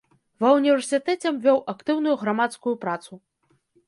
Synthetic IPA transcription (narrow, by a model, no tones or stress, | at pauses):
vɐunʲivʲɛrsʲɨt̪ɛt͡sʲɛmvʲɔwʔakt̪ɨwnujuɣɾamat̪skujupɾat̪su